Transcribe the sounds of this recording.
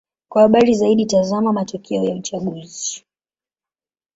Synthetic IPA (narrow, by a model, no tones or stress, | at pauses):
kwahaɓaɾizaiɗitazamamatɔkʰɛɔjaut͡ʃaɠuzii